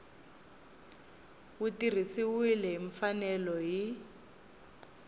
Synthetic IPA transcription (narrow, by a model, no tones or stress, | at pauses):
wutir̤isiwilɛɦiɱfanɛlɔɦi